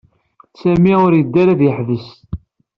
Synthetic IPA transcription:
sæmiʊɾjəd̪ːæɾæðjəħðəs

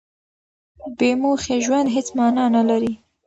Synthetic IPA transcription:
bemoxeʒwand̪ɦet͡smɑnɑnalaɾi

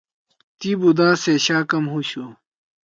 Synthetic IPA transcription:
t̪ibud̪aːseɕaːkɐmɦuɕu

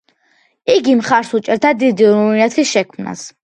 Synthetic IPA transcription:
iɡimχaɾsut͡ʃʼɛɾd̪ʰad̪id̪iɾuinɛt̪ʰisʃɛkʰmna̰s

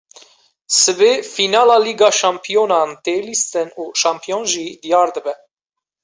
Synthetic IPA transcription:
sɨbeːfinɑːlɑːliːɡɑːʃɑmpʰijonɑnt̪elist̪ɨnuʃɑmpʰijonʒid̪ijɑːɾd̪əbɛ

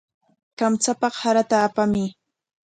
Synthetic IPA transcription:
kamt͡sapɑχhaɾat̪aːpamɪ

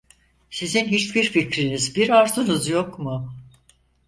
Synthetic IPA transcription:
sizinɦit͡ʃbiɾficɾinizbiɾaɾt̪ʰɯnɯzjokmʊ

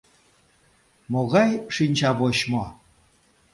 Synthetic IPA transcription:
moɣɑjʂinʲt͡ɕɑβoɕmo

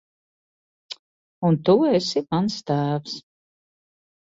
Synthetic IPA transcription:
unt̪uesimanst̪æːfs

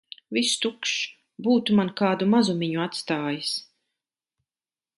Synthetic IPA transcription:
vist̪ukʃ | buːt̪umankaːd̪umazumiɲuat̪st̪aːjis

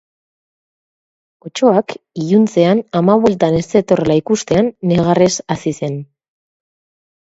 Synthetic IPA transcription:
o̞t͡ʃo̞akijunt͡se̞anamaβwe̞lt̪ane̞st̪e̞t̪o̞relaikust̪e̞anːe̞ɣ̞are̞sasise̞n

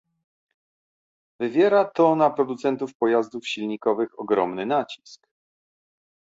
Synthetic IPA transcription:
vɘvʲjɛɾat̪ɔnapɾɔd̪ut̪sɛnt̪ufpɔjazd̪ufɕilɲikɔvɘxɔɡɾɔmnɘnat͡ɕi̥sk

